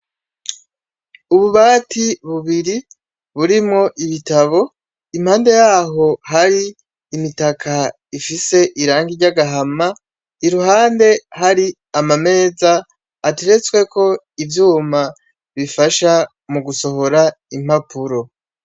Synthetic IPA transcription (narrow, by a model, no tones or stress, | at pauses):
uβuβaːtʰiβuβiɾi | βuɾimŋo̞ʔiβitaβo̞ | imhaːnde̞jaːɦo̞haɾiː | mitakʰa | ifise̞ʔiɾaːŋɡiɾɟaɡaɦama | iɾuɦaːnde̞ɦaɾi | amame̞ːzaː | teɾe̞t͡swe̞kʰo̞ | ivjuːma | βifaʃa | muɡuso̞ɦo̞ɾa | im̥hapuɾo̞